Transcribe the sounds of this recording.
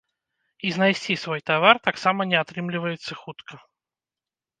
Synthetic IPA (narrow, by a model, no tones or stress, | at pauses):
iznajsʲtʲt͡sʲisvojt̪avart̪aksamənʲɛat̪ɾɨmlʲɪvəjɪt̪sːəxut̪kʰə